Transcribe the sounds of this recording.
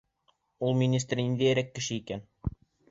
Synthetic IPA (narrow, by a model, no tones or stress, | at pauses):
ulˠmʲinʲist̪rʲind̪æjæɾækːɘ̆ʃɘikæn